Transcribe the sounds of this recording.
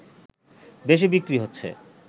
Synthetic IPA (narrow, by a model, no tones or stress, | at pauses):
beʃ̬ibikɾiɦotːɕʰḛ